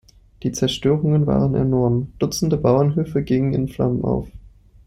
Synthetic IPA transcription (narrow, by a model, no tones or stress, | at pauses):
d̥iːt͡sɛɐʃtøːʁʊŋənva̰ːʁənɛ̰ɐnɔɐmd̥ʊt͡sn̩dəbaʊɐnɦøːfəɡɪŋənɪ̰nfla̰mənʔa̰ʊf